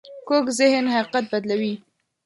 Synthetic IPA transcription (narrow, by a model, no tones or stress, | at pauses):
kokzɪhnhaiqat̪̚bad̪lawi